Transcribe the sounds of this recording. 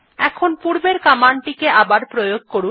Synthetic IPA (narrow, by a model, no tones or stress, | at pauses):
ɛkʰonpuɾbeɾkamaɳʈikeʔabaɾpɾojoɡ̚koɾu